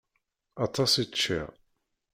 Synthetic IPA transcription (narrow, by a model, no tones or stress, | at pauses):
ɑt̪ˤɑsit͡ʃːḭ